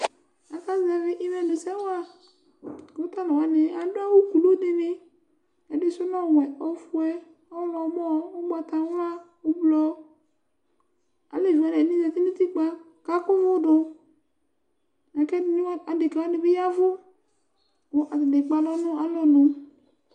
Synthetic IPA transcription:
a˨ka˦za˨vɪ˦ʔɪ˦mɛ˨nʊ˨sɛ˦wa˦˨ | kt̪a˦lɔ˨wa˨nɪ˨˦a˨˦dʊ˦a˦wo˦ku˨lo˦dɪ˦nɪ˦ | ɛ˨dɪ˦sʊ˦nɔ˦˨wɛ˨ɔ˦fʊ˦ɛ˦ | ɔ˦lɔ˨˦mɔ˦ʊ˦ɡ͡ba˨t̪a˨˦wa˦ | ʊ˦blɔ˧˦ | a̰˨le˨va˨n˨ɛ˨nĩ˦zɛ˨ti˦ni˦t̪i˦k͡pa˨ | ka˦kʊ˦vʊ˦dʊ˧ | na˨kɛ˦n˦a˨dɪ˨kɛ˨wa˦nɪ˨bɪ˦ja˦vʊ˦ | kʊ˨ʔa˨ɪ˨dɪ˨k͡pa˨lɔ˦nʊ̃˦a˨lɔ˨nʊ̃˨

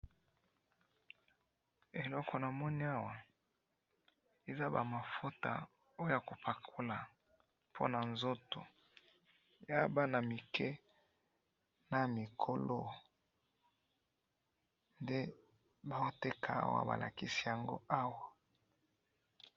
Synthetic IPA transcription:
e˨lɔ˦kʰɔ˨na˨mɔ˦ni˦a˦wa˨ | e˨za˦ba˨ma˨fo˦ta̰˨ | o˦o˦ja˨ko˨pʰa˨kʰo˦la˨ | pʰo̰˦na˨nzo˦to˨ | ja˦ba˦na˨mi˨kʰɛ˦ | na˨mi˨kʰo˨lo˦ | nde˦ | ba˦o˦te˦kʰa˨a̰˦wa̰˨ba̰˨lʔa̰˨ki˦si˦ja˨ŋɡo̰˦ʔa˦wa˨

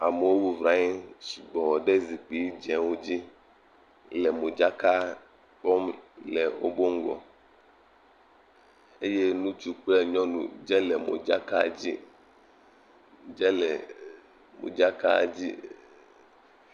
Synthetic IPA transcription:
a˨me˨wo˦bu˦vɾa˨˦i˦mʃi˨ɡ͡bɔ˨wɔ˨ɖe˦zi˨k͡pi˨˦d͡ʒɛ̃˨wo˦d͡ʑi˦ | lɛ˨mo˨d͡ʒa˦ka˦ | k͡pɔ˦mlɛ˨wo̰˦bo˦ŋ̩˦ɡɔ̰˨ | e˦je˦nũ˦t͡ʃu˦k͡plɛ˦ɲɔ̃˦nṵ̃˨d͡ʒɛ˦lɛ˨mo̰˨d͡ʒa˦ka˦˨d͡ʑi˦ | d͡ʒɛ˦lɛ˨ | mo̰˨d͡ʒa˦ka˦˨d͡ʑi˦

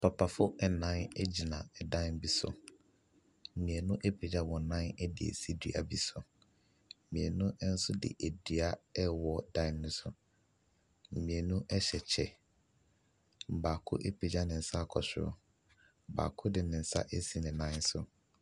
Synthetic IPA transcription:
pʰa˨pʰa˨fʊ˦ɛ˨nã˦n˦d͡ʑi˨nã˨ɛ˨dã˦nbi˦sʊ̰˨ | m̩˨mĩ˨ɛ˨nʊ̃˦ʔe˦pʰe˨d͡ʑa˦wɔ̃˨nã˦nɛ˦dɪ̰˨ḛ˨si˦dḭ˨a̰˨bi˦sʊ˨ | mĩ˨ɛ˨nʊ̃˦ʔn̩˦sʊ˦dɪ̰˨ʔe˨di˨a˦ɛ˦wɔ˨dã˦nː˦ʊ̃˦sʊ˨ | m̩˨mĩ˨ɛ˨nũ˦ʔɛ˦ɕɛ˨t͡ɕʰɛ˨ | m˨baː˨kʰʊ̰˦ʔe˦pʰe˨d͡ʑa˦nɪ̃˨n̩˨sa˦˨kʰɔ˨ɕᶣɪ˦ɾʊ̰˦˨ | ba̰ː˨kʰʊ˦dɪ˨nɪ̃˨n̩˨˦sa̰˦ʔe˦si˨nɪ̃˨nã˦n˦sʊ˦

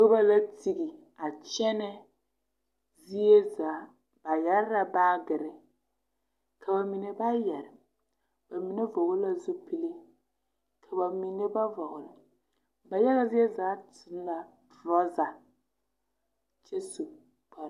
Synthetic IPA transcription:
ʊ˦ba˦la˦ti˨ɡi˨ | a˨t͡ʃɛ˦nɛ˦ | zi˦e˦zaː˨˦ | b̥a˨jɛ˦ɾɪ˦ɾa˨baː˦ɡɪ˨ɾɪ˦ | kʰa˨ba˨mi˨ne˨ba˦jɛ˨ɾɪ˨ | ba˨mi˨ne˦vɔ˨ɣʊ˦la˨zu˦pi˦li˦ | kʰa˨ba˨mi˨ne˦ba˦vɔ˨ɣʊ˨lɪ˨ | ba˨jɛ˦ɣa˦zi˦e˦zaː˨˦tʰɪ˨˦n˦la˨ | dɾɔ˦za˨ | t͡ʃɛ˦su˨ | k͡pa˨ɾ

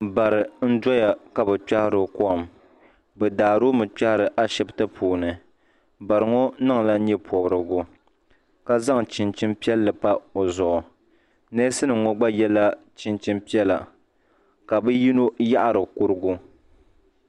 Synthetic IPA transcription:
ba˨ɾɨ˨n̩˦dɔ˦ja˨ka˨bɛ˨k͡pa˦hɪ˦ɾɨ˦kɔ˦˨m | bɛ˨daː˨ɾo˦mɨ˨k͡pa˦hɪ˦ɾɨ˨ʔa˦ʃɛ˨btɨ˦pʰuː˨nɨ˨ | ba˨ɾɨ˨ŋɔ˦nɨ˦ŋ˨la˦ɲɛ˦pʰɔ˨bɾɨ˨ɡʊ˨ | ka˦za˦ŋt͡ʃɪ˨nt͡ʃɪ˦mpi˦ɛ˦lːɨ˨pa˦o˨zʊ˨ʔɔ˨ | nɛ˦sɨ˦nɨ˨ŋɔ˦ɡ͡ba˦jɛ˦la˦ | t͡ʃɪ˨nt͡ʃɪ˦mpi˦ɛ˦la̰˨ | ka˨bɨ˦ji˦no˦ja˦ʔa˨ɾɨ˨ku˦ɾɨ˦ɡʊ˦

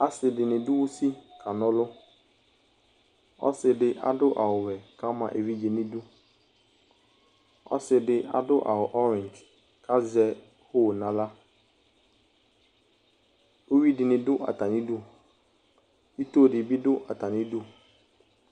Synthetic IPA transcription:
a˨sɪ˨dɪ˨nɪ̃˨dʊ˦wʊ˦si˦kʰa˨nʊ̃˦lʊ˦ | ɔ̰˦sɪ˨dɪ˦ʔa̰˨dʊ˦ʔa˨wʊ˨wɛ˨ka˦mã̰˨ʔe˨vi˦d͡ʒe˨nɪ̃˦dʊ˦ | ɔ̰˦sɪ˨dɪ˦ʔa̰˨dʊ˦ʔa̰˨wʊ˨ʔɔ˦ɾɪ̃˨nd͡ʒ | kʰa˦zɛ˦ | ho˦˨nã˨la˦ | o˦wi˦dɪ˨nɪ̃˨dʊ˦ʔa̰˨t̪a˨nɪ̃˦dʊ˦ | i˦t̪o˦˨dɪ˨bi˦dʊ˦ʔa˨t̪a˨nɪ̃˦du˦˨

